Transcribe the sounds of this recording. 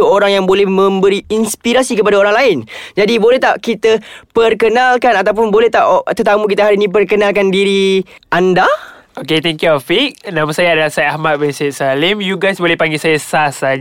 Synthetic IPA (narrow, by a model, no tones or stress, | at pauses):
əoɾaŋjaŋbolɛhmə̃mbəɾiinspiɾasikəpadaoɾaŋlaɪnd͡ʒadibolɛht̪aʔkit̪apərkənalkanat̪awp̬ʊnbolɛht̪aʔt̪ət̪amuk̬it̪aɦaɾinĩp̬ərkənalkandiɾiʔanda | oket̪ɛŋkjuafik̚nãmasajaadalahsajaahmat̪̚bɛnset̪̚salɪmjuɡajsbolɛhpaŋɡilsajasasa